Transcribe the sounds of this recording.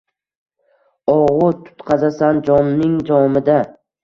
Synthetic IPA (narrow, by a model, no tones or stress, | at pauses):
ɒʁʊt̪ʰʊ̥t̪qʰɑzasand͡ʒɒnːɪŋd͡ʒɒmɪd̪a